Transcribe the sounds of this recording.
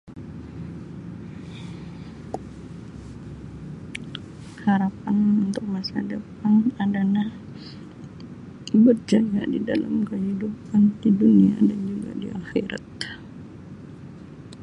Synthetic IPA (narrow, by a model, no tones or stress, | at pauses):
haɾapanunt̪ʊk̚masa̰dəpanadanah | bərd͡ʒaɡa̰didala̰mkəɦidupandidunia̰dand͡ʒuɡa̰dḭʔaxɛɾa̰t̪̚